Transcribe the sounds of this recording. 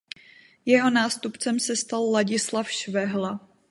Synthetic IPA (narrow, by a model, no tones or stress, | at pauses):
jɛɦo̞naːst̪upt͡sɛmsɛst̪alːaɟɪslafʃvɛɦla